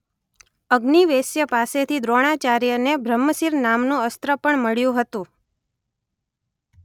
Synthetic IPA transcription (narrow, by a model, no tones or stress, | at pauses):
əɡniʋesjəpaset̪ʰid̪ɾoɽ̃at͡ʃaɾjənebʱɾəmːəsiɾnamnũəst̪ɾəpəɳməɭjũɦət̪ũ